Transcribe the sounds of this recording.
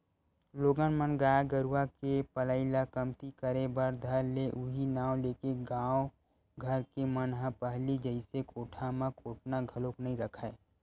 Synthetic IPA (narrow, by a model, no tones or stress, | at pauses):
loːɡənmənɡaːjɡəɾwakepələɪlakəmt̪ikəɾebəɾd̪ʱəɾleʔʊɦinaːwleːkeɡãːo | ɡʱəɾkemənɦə̃pəɦlid͡ʒəɪsekʰoːʈʰamãkoːʈnaɡʱəloknəɦĩɾəkʰae